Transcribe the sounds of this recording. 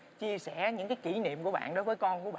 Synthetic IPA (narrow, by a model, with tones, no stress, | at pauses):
t͡ɕi˧əsɛ˧˩˨ɲɨ̰˧˥ŋkaː˨˦jki˧˩nḭ˧˨əmku˧˩əɓa̰ː˧˨nɗo˨˦jvəː˨˦jkɔ˧nku˧˩əɓ